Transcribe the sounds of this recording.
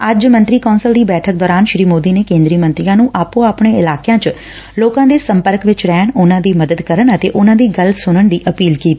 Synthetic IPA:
əd͡ʒmə̃nt̪ɾiːkɔːnsəld̪iːbɛːʈʰək̚d̪ɔːɾaːnʃɾiːmoːd̪iːneːkẽːnd̪ɾiːmə̃nt̪ɾɪjãːnũːʔaːpõːaːpɳeːɪlaːkejãːt͡ʃ | loːkãːd̪eːsəmpəɾkʋɪt͡ʃɾɛːɳʊnãːd̪iːməd̪əd̪kəɾəɳət̪ḛːʔʊnãːd̪iːɡəlsʊnəɳd̪iːʔəpiːlkiːt̪iː

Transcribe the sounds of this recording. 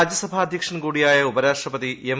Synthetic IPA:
d͡ʑjɐsɐbʱaːɐd̪ʱjɐkʂɐnkuːɽijaːjɐubɐɾaːʂʈrɐpɐt̪iem

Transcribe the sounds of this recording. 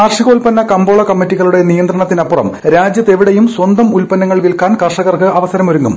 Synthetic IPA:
aːrʂiɣoːlpɐnːɐkɐmbo̞ːɭɐkɐmːitːiɣɐɭuɽe̞nijɐnd̪ɾɐɳɐt̪ːinɐpːurɐ̰mɾaːd͡ʑjɐt̪ːe̞ʋiɽejumswɐnd̪ɐmulpɐnːɐŋːɐɭʋilkaːnkɐrʂɐɣɐrkɨʔɐʋɐsɐɾɐmoɾuŋːum

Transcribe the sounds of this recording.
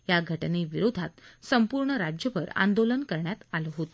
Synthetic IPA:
jaɡʱəʈneʋiɾod̪ʱat̪səmpuɾɳəɾad͡ʑjəʋəɾa̰nd̪olənkəɾɳjat̪aləɦot̪o

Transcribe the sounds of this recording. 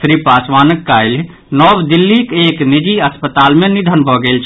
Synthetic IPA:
sɾipasʋaːnəkːajl | nɔbd̪ilːikeknid͡ʒiəspət̪almenid̪ʱənbʱɔɡelt͡ʃʰ

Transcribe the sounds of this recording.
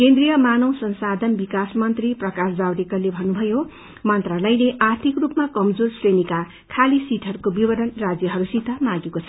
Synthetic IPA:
kend̪rijʌmanʌwsʌnsad̪ʱʌnbikasmʌnt̪riprʌkasd͡zawɾekʌlebʱʌnːubʱʌjo | mʌnt̪ralajneʔart̪ʰikrupmakʌmd͡zorsrenika | kʰalisiʈʰʌɾukobibʌɾʌnrad͡zjʌɦʌɾusit̪ʌmãɡekot͡sʰʌ

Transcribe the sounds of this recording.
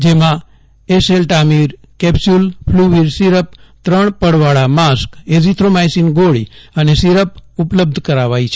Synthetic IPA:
d͡ʒemã | eselʈamiɾ | kɛpsulpʰluʋiɾsiɾəp̚t̪ɾəɳ̃pəɽʋaɽamaskezit̪ʰɾomajsinɡoɽḭənesiɾəpupləb̚d̪ʱkəɾaʋait͡ʃʰe

